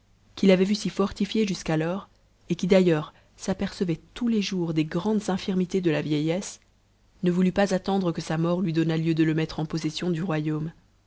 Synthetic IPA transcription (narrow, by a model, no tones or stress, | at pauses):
kʲilavɛvysifɔʁt̪ifjeʒyskalɔʁ | ekʲid̪ajœʁ | sapɛʁsəvɛt̪uleʒuʁd̪eɡʁɑ̃d̪zɛ̃fiʁmit̪ed̪əlavjɛjɛs | nəvulypazat̪ɑ̃d̪ʁəkəsamɔʁlɥid̪ɔnaljød̪ələmɛt̪χɑ̃pɔsɛsjɔ̃d̪yʁwajom